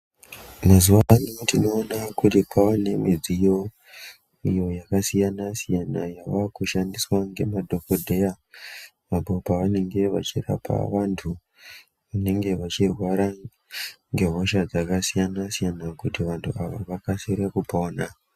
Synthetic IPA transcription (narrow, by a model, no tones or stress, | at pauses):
mazuʋanutino̞ːnakutipʰaane̞mid͡zijo̞ | ijo̞jakasijanasijanajaʋakuʃandiswaŋɡe̞̰madʱo̞kodʱeja | mabopaʋane̞ŋɡe̞ʋa̰t͡ʃira̰pa̰ʋantʰu | ʋane̞ŋɡe̞ʋat͡ʃirwaɾa | ŋɡe̞ɦo̞ʃad͡zakasijanasijanakutiʋantʰuaʋa̰ʋakaseɾekupaona